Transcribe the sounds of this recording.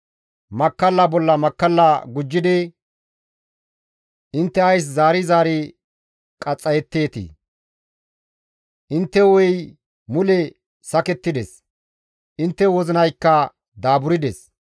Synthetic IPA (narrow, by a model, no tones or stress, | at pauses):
mɐkːɐlːɐbɔlːɐmɐkːɐlːɐɡʊd͡ʒːɪd̪ɛ | ʔɪnt̪ːɛɐjs̬zaːɾɪzaːɾɪ | kʼɐt͡sʼːɐjɛt̪ːe̞ːt̪ḭ | ʔɪnt̪ːɛwɔj | mʊlɛ | sɐkɛt̪ːɪd̪ɛs | ʔɪnt̪ːɛwɔzɪnɐjkːɐ | d̪aːbʊɾɪd̪ɛs